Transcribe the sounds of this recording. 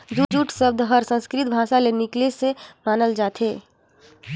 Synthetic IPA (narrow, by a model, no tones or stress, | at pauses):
d͡ʒud͡ʒuːʈsəb̚d̪ʱɦəɾsə̃nskɾɪt̪̚bʱaːsalenɪklesemaːnəld͡ʒaːt̪ʰɦeː